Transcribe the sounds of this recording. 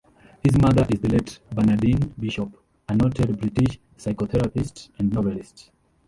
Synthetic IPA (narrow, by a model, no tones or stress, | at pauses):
hizmʌd̪əʔizd̪əleʈbãnaɖĩnbiʃɔp | ənɔʈʰeɖbɾiʈiʃ | saɪkot̪ʰɛɾapisʈɛ̃ɳɖnɔʋɛlisʈs